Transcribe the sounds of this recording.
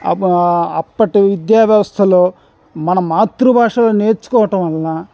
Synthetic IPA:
ɐɐpːɐʈiʋid̪jaːʋjɐʋɐst̪ʰɐloː | mɐnɐmaːt̪ɾubʱaːʂɐloːne̞ːɾt͡ʃu̥kɔːʋɐʈɐmɐlːaː

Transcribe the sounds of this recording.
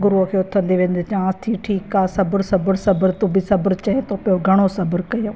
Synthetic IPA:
ɡʊɾukʰeːʊt̪ʰə̃nd̪iʋẽːn̆d̪et͡ʃãːst̪ʰiːʈʰiːkaːsɐbəɾsɐbəɾsɐbəɾt̪ubɪsɐbəɾt͡ʃɐɦẽt̪opɪjoɡʱɐɽ̃osɐbəɾkɐjo

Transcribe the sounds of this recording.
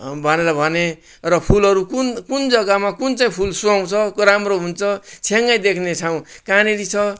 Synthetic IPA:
bʱʌneɾʌbʱʌne | rʌpʰulʌɾukunkund͡zʌɡamakunt͡saĩpʰulsuaw̃t͡sʰʌkɾamroɦunt͡sʰʌt͡sʰeŋːajd̪ekʰnet͡sʰaw̃kaneɾit͡sʰʌ

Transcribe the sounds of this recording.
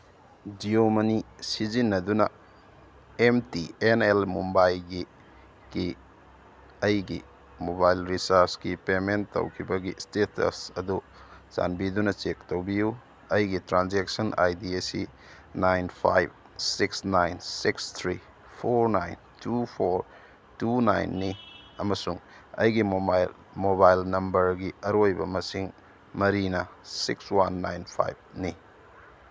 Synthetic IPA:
diomɐnisizinːɐdunɐ | emtienelmumbajlɡi | ki | ɐjɡḭ | mobajlɾisaɾsɡipemenːo̰wkʰibɐɡistetɐ̰sɐdu | za̰nbidunɐt͡ʃek̚towbiju | ɐjɡitɾanzek̚sɐna̰jdiesḭ | najnpʰa̰jb̚ | siksnajnsikst̪ʰɾi | pʰoɾnajntupʰoɾ | tuna̰jnːiɐmɐsuŋ | ɐ̰jɡim | mobajlnɐmbɐɾɡiɐɾojbɐ̰mɐsiŋ | mɐɾinɐsikswanːa̰jnpʰa̰jb̚ni

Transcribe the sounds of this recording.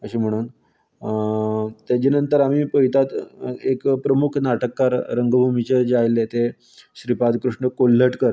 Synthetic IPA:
əɕeːm̤əɽ̃uːn | t̪jat͡ɕenənt̪əɾam̤iːpəjit̪at̪ekpɾəmukʰnaʈəkːaɾɾəŋɡbʱumit͡ɕed͡ʑajlːet̪e | ɕɾipad̪kɾuʂɳəkolːəʈkəɾ

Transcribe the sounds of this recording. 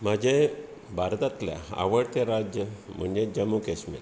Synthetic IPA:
m̤əd͡ʑe | bʱaɾt̪at̪lja̰a̰ʋəɽt̪eɾad͡ʑjəm̤əɳd͡ʑed͡ʑəmukesmḭl

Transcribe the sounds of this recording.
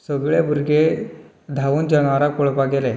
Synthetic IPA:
səɡɭebʱuɾɡe | d̪ʱaʋuːnd͡ʑəŋaɾakoɭpaɡele

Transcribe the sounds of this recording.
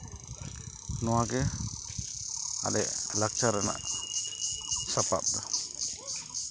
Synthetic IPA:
nɔwaɡɛ | a̰lɛ̰ʔlak̚t͡ʃaɾana̰ʔ | sapa̰p̚d̪a

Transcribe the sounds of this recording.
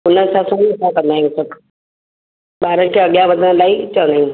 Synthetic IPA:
ʊn̤ənɪ̆sãsɐ̃msãkɐ̃nd̪aijũsɐk | ɓaːɾənɪ̆kʰeːɐɠjãʋɐd̪ʱənlaːit͡ɕɐʋə̃nd̪aːijũ

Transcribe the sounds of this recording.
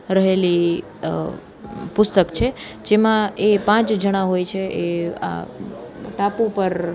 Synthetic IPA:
ɾəɦeli | pʊst̪əkt͡ʃʰe | d͡ʒemãepãt͡ʃd͡ʒʱəɽ̃ãɦojt͡ʃʰeʔea̰ | ʈapupəɾ

